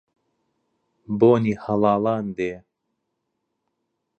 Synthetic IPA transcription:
boːnihɐlɑːlaːnd̪eː

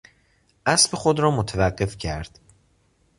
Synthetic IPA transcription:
ʔæsbe̞xod̪ɾɒːmot̪ʰævæɢːe̞fcʰæɾd̪̥

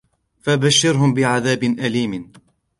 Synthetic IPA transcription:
fabaʃːɪɾɦʊmbɪʕaðaːbɪnʔaliːm

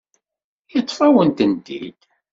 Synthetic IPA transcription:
jət͡sˤːfæwənt̪ənd̪ḭd̪

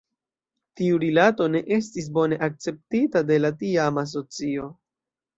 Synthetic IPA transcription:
tiuɾilato̞ne̞ʔe̞s̬tis̬bo̞ne̞ʔak̚t͡se̞p̚titade̞latiamas̬o̞t͡sio̞

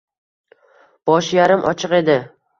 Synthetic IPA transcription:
b̥ɒʃjaɾɪmʔɒ̰t͡ʃʰɨqe̞d̪ɪ

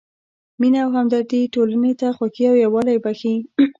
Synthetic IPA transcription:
minawɦamd̪aɾt̪iʈolanet̪axwakiawjawɑlajbaxi

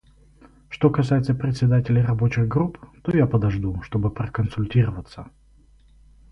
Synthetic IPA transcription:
ʂt̪o̞kɐsajɪt̪səpɾʲɪt̪ʲsʲɪd̪atʲɪlʲɪjrɐbo̞t͡ɕɪɣɡɾupt̪o̞japəd̪ɐʐd̪uʂt̪o̞bɨpɾəkənsʊlʲtʲiɾəvət̪sə

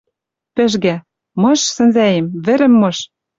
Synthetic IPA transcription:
pɘ̆ʒɡæ | mɤ̆ʃsɘ̆nzæjemβɘ̆ɾɘ̆mːɤ̆ʃ

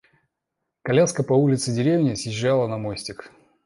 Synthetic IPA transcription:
kɐlʲaskəpɐulʲɪt̪sɨdʲɪɾʲevnʲɪsjɪʑːalˠənɐmojsʲtʲɪk

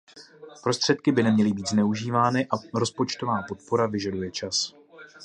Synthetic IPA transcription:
pɾo̞st̪r̥ɛt̪̚kɪbɪnɛmɲɛlɪbiːt̪znɛuʒiːvaːnɪʔaɾo̞spo̞t͡ʃt̪o̞vaːpo̞t̪̚po̞ɾavɪʒadujɛt͡ʃas

